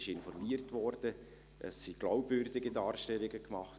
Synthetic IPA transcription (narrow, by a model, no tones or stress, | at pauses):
ʃɪnfɔɾmiətʋɔɾd̥ə | ʔə̰sːiɡ̥laʊbvøɾdɪɡidɑːɾʃtɛlːɪɡəkmɑχt